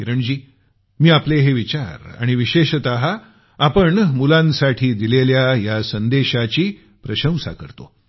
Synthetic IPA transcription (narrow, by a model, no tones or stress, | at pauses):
iɾəɳd͡ʑiː | miːapleɦeʋit͡ɕaɾa̰ɽ̃iʋiɕeɕt̪aɦa | apəɳmulãnsaʈʰiːd̪ileljajasənd̪eɕat͡ɕiː | pɾəɕə̃w̃sa̰kəɾt̪o̰